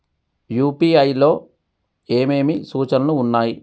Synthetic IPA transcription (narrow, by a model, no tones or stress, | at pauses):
juːpiːɐjlo̞ː | e̞ːme̞ːmisuːt͡ʃɐnɐnuːnːaːji